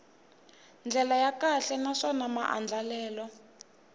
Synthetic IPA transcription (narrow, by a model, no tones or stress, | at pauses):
nd͡ɮʱɛlajakaɬɛnaʂɔnama̰ʔa̰nd͡ɮʱalɛːlɔ